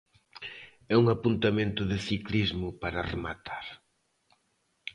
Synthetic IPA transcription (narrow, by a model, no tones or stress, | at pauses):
ɛuŋapunt̪amẽnt̪ʊðɪθiklizmʊpaɾɐremat̪ʰaɾ